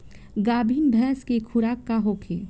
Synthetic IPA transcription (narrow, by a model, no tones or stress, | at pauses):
ɡaːbʱiːnbʱɛːskekʰʊɾaːkːaɦoːkʰeː